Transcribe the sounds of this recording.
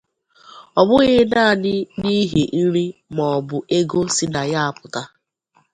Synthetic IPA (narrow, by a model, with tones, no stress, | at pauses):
ɔ˨bʊ˦ɣi˦ɦɪ˦na˦a˨nɪ˦ni˦ɦe˨n̩˦ɾi˦mɔ˨ɔ˨bʊ˨ʔe˦ɡo˦si˦na˨ja˦a˨pʊ˨ta˦